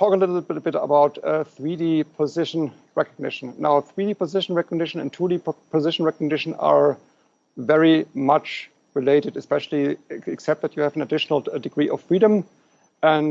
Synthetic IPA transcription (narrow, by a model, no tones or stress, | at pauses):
tʰɔkəlɪɾl̩bɪbɪɾə̰baʊtθɹidipʰɔzɪʃə̃n̩ | ɹɛkəɡ̚nɪ̰ʃn̩ːaʊθɹidiːpɔzɪʃn̩ɹɛkəɡ̚nɪʃə̃ñ̰ntʰudipʰɔzɪʃn̩ɹɛkəɡ̚nɪʃn̩a̰˞ | vɛɹimat͡ʃ | ɹɪleɪɾɨdɨspɛʃl̩ˠiɛksɛp̚t̪̚ðɨtjɨæṽn̩ədɪʃnl̩ˠdɨɡɹiːʔɔffɹiɾə̃m | ə̃n